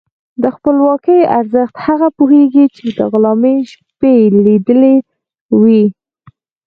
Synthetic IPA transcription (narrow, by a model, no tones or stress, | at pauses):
d̪əxpəlwɑkəja̰ɾzəxt̪haɣapuheɡit͡ʃed̪ə̰ɣʊlɑmeʃ | pelid̪əle | wi